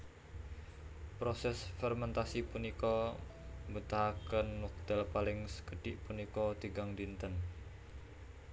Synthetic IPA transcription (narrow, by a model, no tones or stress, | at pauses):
pɾosɛsfɛrmɛnt̪asipunikɔ | mbut̪akənwɔk̚d̪̥ɛlpalɪŋskəɖ̥ɪʔpunikɔd̪̥iɡaŋdint̪ən